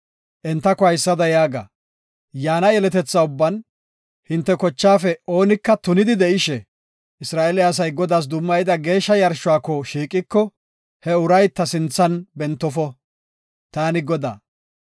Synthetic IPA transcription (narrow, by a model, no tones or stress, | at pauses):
ʔɛnt̪ːɐkɔhɐjsːɐd̪ɐjaːɡa̰ | jaːnɐjɛlɛt̪ɛt͡sːɐʊbːɐn | hɪnt̪ːɛkɔt͡ʃːaːfɛo̞ːnɪkːɐt̪ʊnɪd̪ɪd̪ɛʔɪʃɛ | ɪsɾaːʔelɪɐs̬ɐjɡɔd̪aːs̬d̪ʊmːɐjɪd̪ɐɡe̞ːʃːɐjɐɾʃʊaːkːɔʃiːkʼɪkːɔ | hɛʊɾɐjt̪ːɐsɪnt͡sːɐnbɛnt̪ːɔfɔ | t̪aːnɪɡɔd̪a̰ː